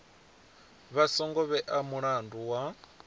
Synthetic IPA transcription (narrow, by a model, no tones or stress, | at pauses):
βasɔŋɡɔβɛʔamuɺanduwa